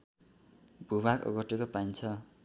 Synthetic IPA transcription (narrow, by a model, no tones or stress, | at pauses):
bʱuβakʌ̰ɡʌʈekopaint͡sʰʌ